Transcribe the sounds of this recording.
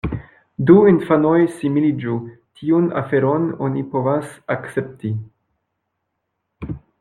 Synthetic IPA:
duinfano̞jsimilid͡ʒu | tʰiuna̰fe̞ɾo̞no̞nipo̞vasakt͡se̞p̚ti

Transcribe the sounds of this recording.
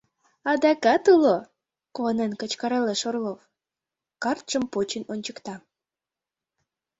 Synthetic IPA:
ɑd̪ɑkɑt̪ulo | konenkət͡ɕkɑɾeleʃorlov | kɑrt̪ʃəmpot͡ɕənonʲt͡ɕəkt̪ɑ

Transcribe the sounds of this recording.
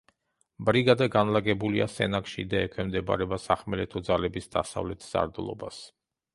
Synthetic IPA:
bɾiɡad̪aɡanlaɡɛbulia̰sɛ̰nakʃḭd̪aɛkʰwɛmd̪ɛba̰ɾɛbasaχmɛlɛt̪ʰɔd̪zalɛbisd̪̥a̰sa̰vlɛt̪ʰz̥a̰ɾd̪lˠɔ̰bas

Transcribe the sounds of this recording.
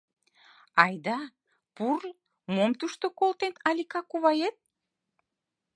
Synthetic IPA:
ɑjd̪ɑ | pur | momt̪uʃt̪okolt̪enɑlʲikɑkuβɑjet̪̚

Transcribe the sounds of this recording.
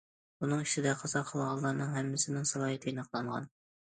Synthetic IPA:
bunɨŋiʃɪd̪ɛqʰɑsɑχʰəlˠʁɑlˠːɑɾnɨŋɦɛmːɪsɪnɪŋsɑlˠɑːɦit̪ʰinɑqʰlˠɑɴʁɑ̰n

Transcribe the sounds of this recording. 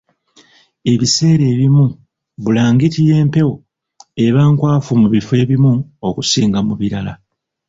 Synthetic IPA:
e̞βise̞ːɾe̞ːβimu | βulaːŋɡitije̞ːmpe̞wo | e̞βaːŋkwaːfumuβife̞ːβimuokusiːŋɡamuβiɾala

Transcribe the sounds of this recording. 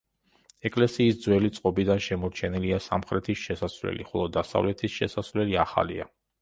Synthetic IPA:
ɛkʼlɛsiːsd̪zwɛlit̪sʼqʼɔbid̪anʃɛmɔɾt͡ʃʰɛniliasa̰mχɾɛt̪ʰisʃɛsasvlɛ̰liχɔlˠɔd̪asa̰vlɛt̪ʰisʃɛsasvlɛliaχa̰lia̰

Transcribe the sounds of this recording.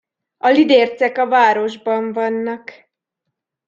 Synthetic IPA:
ɒlid̪eːrt̪sɛkɒvaːɾo̞ʒbɒɱvɒnːɒk

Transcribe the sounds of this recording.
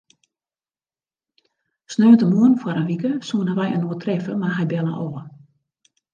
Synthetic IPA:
snøːəntəmuənfwaɾənʋikəsuənəʋɛjə̰nuətʰrɛfəmarɦɛjbɛlˠəʔoːə

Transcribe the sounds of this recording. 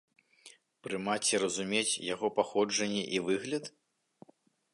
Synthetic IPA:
pɾɨmat͡sʲiɾɐzumʲet͡sʲjaɣɔpaxɔd͡ʐɐnʲːɛʔivɨɣlʲɐt̪

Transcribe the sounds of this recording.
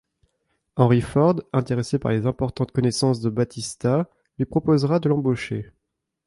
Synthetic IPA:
ɑ̃ʁifɔʁd̪ɛ̃t̪eʁesepa̰ʁlezɛ̃pɔʁt̪ɑ̃t̪kɔnɛsɑ̃s̬d̪əbat̪ist̪a | lɥipχɔpozʁad̪əlɑ̃boʃḛ

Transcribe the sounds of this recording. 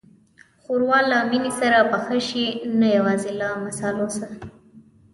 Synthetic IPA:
xoɾwɑlaminisaɾapəxəʃinajawɑzilɑmasɑlosa

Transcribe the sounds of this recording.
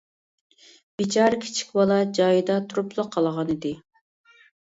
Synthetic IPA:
b̥it͡ʃʰɑɾkʲʰi̥t͡ʃʰi̥kʲbɑlˠɑd͡ʒɑjɨd̪ɑt̪ʰuɾuplˠəqʰːɑlˠʁɑnɪd̪ɪ

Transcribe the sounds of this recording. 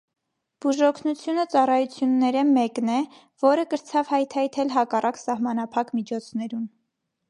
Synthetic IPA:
b̥uʒɔkʰnut͡sʰjunət͡sɑrɑjut͡sʰjunːɛɾəmɛknɛ | vɔɾəkəɾt͡sʰɑvhɑjt̪ʰɑjt̪ʰɛlɦɑkɑrʔɑksɑhmɑn̪ɑpʰɑkmit͡ʃʰɔt͡sʰnɛɾun

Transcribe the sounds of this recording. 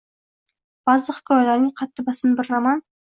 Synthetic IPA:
b̥ɑzlˠəqkʲʰɑwlæɾnɪŋqʰɑt̪ːəbɑsənbɪɾːamɑn

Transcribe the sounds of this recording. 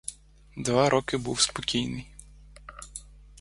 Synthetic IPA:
d̪ʋaɾɔkɪbuwspɔkʲijnɪj

